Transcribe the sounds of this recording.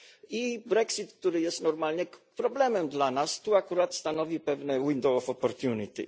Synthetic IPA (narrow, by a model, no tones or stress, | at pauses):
ibɾɛksit̪k̚t̪uɾɘjɛst̪nɔɾmalɲɛpɾɔblɛmɛmd̪lanast̪uakuɾat̪st̪anɔvʲipɛvnɛwind̪ɔwɔfɔpɔɾt̪juɲʲit̪ḭ